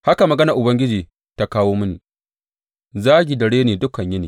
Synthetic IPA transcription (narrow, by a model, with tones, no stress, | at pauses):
ha˦ka˨mɐ˨ɡɐ˦nɐ˨ʔʊ˨bɐ˦ŋɡʲɪ˦d͡ʒiː˨ | ta˦kaː˦woː˦mʊ˦niː˨ | zaː˦ɡʲi˨dɐ˨ɽeː˦neː˨dʊ˦kɐ˨ɲjɐ˦niː˨